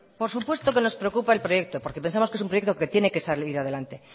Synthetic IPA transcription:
po̞ɾsupwe̞st̪o̞ke̞no̞spɾe̞okupaelpɾo̞je̞k̚t̪opo̞ɾke̞pe̞nsamoskesumpɾo̞jet̪oke̞t̪je̞ne̞ke̞saliɾað̞e̞lant̪e̞

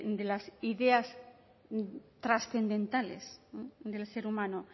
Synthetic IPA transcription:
d̪elasiðeas | t̪ɾasθe̞nd̪ẽ̞nt̪alḛsd̪e̞lseɾumãno

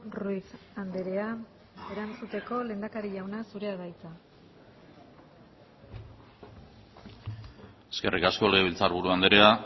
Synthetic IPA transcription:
ruis | and̪eɾe̞a | e̞ɾant͡sut̪e̞ko̞le̞ːnd̪akaɾiʎawnasuɾe̞aðajt͡sa | eske̞rikasko̞leɣβilt͡saɾβuɾuand̪eɾe̞a

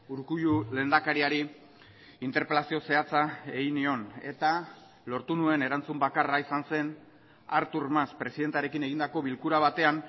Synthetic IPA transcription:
uɾkujule̞ːnd̪akaɾiaɾi | int̪e̞ɾpe̞lasio̞se̞at͡sae̞ɣinio̞ne̞̰t̪a | lo̞ɾt̪unue̞ne̞ɾant͡sumbakaraisanse̞n | aɾt̪uɾmaspɾe̞siðe̞nt̪aɾe̞kine̞ɣind̪ako̞βilkuɾaβ̞at̪e̞an

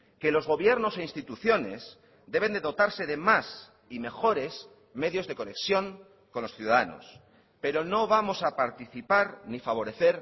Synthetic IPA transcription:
ke̞lo̞zɣ̞o̞βje̞ɾno̞se̞inst̪it̪uθjo̞ne̞̰s | d̪e̞β̞e̞nd̪e̞ðo̞t̪aɾse̞ðe̞mas | ime̞xo̞ɾe̞s | me̞ðjo̞zðe̞ko̞ne̞ksjo̞ŋ | ko̞nlo̞sθjuðaðano̞̰s | pe̞ɾo̞no̞βamo̞sapaɾt̪iθipaɾnifaβ̞o̞ɾe̞θe̞ɾ

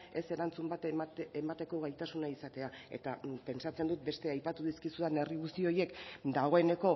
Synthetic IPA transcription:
e̞se̞ɾant͡sumbat̪memat̪e̞ko̞ɣ̞ajt̪asunaisat̪e̞ae̞̰t̪ape̞nsat͡se̞nd̪ut̪̚be̞st̪e̞ajpat̪uð̞iskisuðane̞riɣust̪io̞je̞kd̪aɣ̞o̞e̞ne̞ko̞

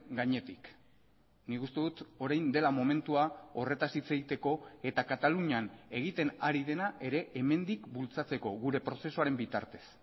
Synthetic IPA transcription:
ɡaɲe̞t̪ik | nikust̪e̞ðut̪o̞ɾajnd̪e̞lamo̞me̞nt̪uao̞re̞t̪asit͡saɣit̪e̞ko̞e̞t̪akat̪aluɲane̞ɣ̞it̪e̞naɾið̞e̞naʔe̞ɾe̞ʔeme̞nd̪ikbult͡sat͡se̞ko̞ɣuɾe̞pɾo̞se̞soaɾe̞mbit̪a̰ɾt̪e̞̥s

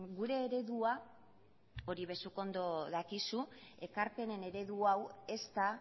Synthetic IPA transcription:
ɡuɾe̞ːɾe̞ðua | o̞ɾiβ̞e̞suko̞nd̪o̞ðakisue̞kaɾpe̞ne̞ne̞ɾe̞ðuawe̞st̪a

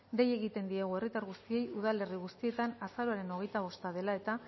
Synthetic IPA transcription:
d̪e̞je̞ɣit̪e̞nd̪ieɣ̞ue̞rit̪aɾɣust̪ie̞juð̞ale̞riɣ̞ust̪ie̞t̪anasaɾoaɾe̞no̞ɣ̞e̞jt̪aβo̞st̪aðe̞lae̞t̪a

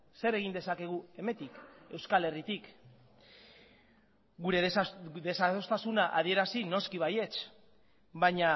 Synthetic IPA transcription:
se̞ɾe̞ɣ̞ind̪e̞sake̞ɣ̞ue̞me̞t̪ike̞wskale̞rit̪ik | ɡuɾe̞ðe̞saost̪asunaʔað̞ie̞ɾasino̞skiβaje̞t͡s | baɲa

